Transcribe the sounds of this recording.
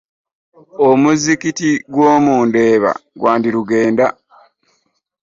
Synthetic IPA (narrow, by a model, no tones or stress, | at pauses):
omuzikitiɡwoːmuːnde̞ːβa̰ɡwaːndiɾuɡe̞ːnda